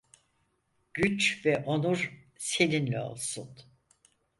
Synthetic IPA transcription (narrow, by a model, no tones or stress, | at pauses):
ɟ̥yt͡ʃvɛʔonuɾ | se̞ninlʲɛo̞̰lˠsun